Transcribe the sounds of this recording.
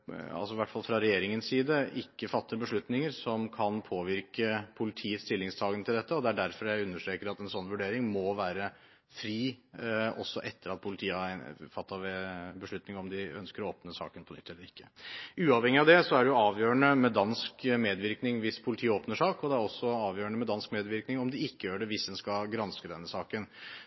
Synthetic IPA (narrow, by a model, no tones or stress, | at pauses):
ɑ̰lsɔʋæʈːfɑlfɾɑɾɛjeːɾɪŋənsiːd̪əʔɪkːəfɑt̪ːəɾbəʂɭʉt̪nɪŋəɾsɔmkʰɑnpʰoːʋɪɾkəpʰʊlɪt̪ʰiːət̪st̪ɪlːɪŋst̪ʰɑːɡənət̪ɪld̪ɛt̪ːəɔd̪ɛæɖæɾfɔɾjæɪʉnːəʂʈɾeːkəɾɑt̪ɛnsɔnːʋʉɖeːɾɪŋmɔʋæːɾə | fɾiː | ɔ̰sːɔʔɛt̪ːəɾɑt̪̚pʰʊlɪt̪ʰiːəfɑt̪ːɑbəʂɭʉt̪nɪŋɔmd̪ɪœ̰nskəɾɔoːpnəsɑ̰ːkənpʰɔnʏ̰t̪ːɛlːəɾɪkːəʉːɑʋhɛŋːɪɑd̪ɛsɔæɖɛjʊɑːʋjøːəɳəmɛd̪ɑnskmeːd̪ʋɪɾknɪŋʋɪspʰʊlɪt̪ʰiːoːpnəʂɑːkɔd̪ɛæɾɔsːɔɑːʋjøːəɳəmɛd̪ɑnskmeːd̪ʋɪɾknɪŋɔmd̪ɪɪkːəjøːɖɛʋɪsd̪ɛnskɑɡɾɑnskəd̪ɛnːəsɑːkən